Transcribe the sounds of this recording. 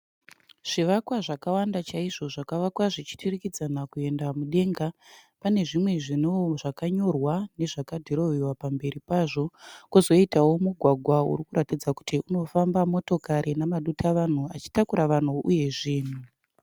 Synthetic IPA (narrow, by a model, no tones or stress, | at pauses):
ʐ̥iʋakwaʐakawandat͡ʃaiʐo̞ʐakaʋakwaʐit͡ʃi̥tʰirikid͡zanakue̞ndamuɗe̞ŋɡapane̞ʐimwe̞ʐinoʐakaɲo̞rwane̞ʐakadʱiɾo̞ʋiwapambe̞ɾipaʐo̞kuzo̞itawo̞muɡʱwaɡʱwaṵɾikuɾatid͡zaku̥tʰiuno̞fambamo̞to̞kaɾʔinamaɗutʰaʋan̤uat͡ʃi̥takuɾaʋan̤uʔuje̞ʐiːn̤u